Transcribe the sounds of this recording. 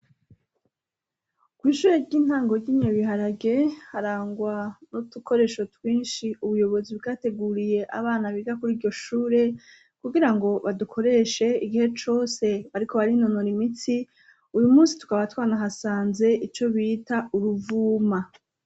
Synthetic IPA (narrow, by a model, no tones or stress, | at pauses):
kwiːʃuːɾeɾɟiːn̥haːŋɡo̞ɾɟiːɲɲoβiɦaɾaɡe̞haɾaːŋɡwanutukʰo̞ɾe̞ːʃo̞twiːnʃiuβujo̞βo̞ziβɡate̞ɡuɾije̞ʔa̰βaːnaβiɡakuɾiːɾɟo̞ʃuːɾe̞ | kuɡiɾaŋɡo̞βadukʰo̞ɾe̞ʃe̞iɡihe̞t͡ʃo̞se̞βaɾikʰo̞βaɾinonoɾimiti | ujumuːsi̥tu̥kaβatwaːnaɦasaːnze̞ʔit͡ʃo̞βiːtauɾuvuːma